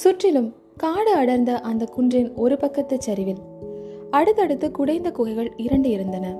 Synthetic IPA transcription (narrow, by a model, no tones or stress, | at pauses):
sʊʈrɪlɯm | kaːɽɯɐɽɐɾnd̪ɐʔɐnd̪ɐkʊɳdrɪnɔɾɯpɐkːɐt̪ːɐt͡ʃːɐɾɪʋɪl | ɐɽɯt̪ːɐɽɯt̪ːɯkʊɽɐɪnd̪ɐkʊɣɐɪɣɐɭɪɾɐɳɖɯɪɾɯnd̪ɐnɐ